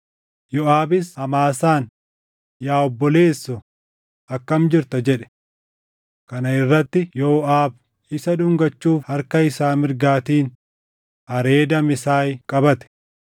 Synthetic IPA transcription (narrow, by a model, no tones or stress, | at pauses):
jɔaːbɪshɐmaːsaːn | jaːɔbːɔle̞ːsːʊ | ɐkːɐmd͡ʒɪɾt̪ɐd͡ʒɛᶑɛ̥ | kɐnɐɪrːɐt̪ːɪjɔːʔaːb | ɪsɐᶑʊŋɡɐt͡ʃːuːfhɐɾkɐɪsaːmɪɾɡaːt̪iːn | ɐɾe̞ːd̪ɐmɪsaːjkʼɐbɐt̪ɛ̥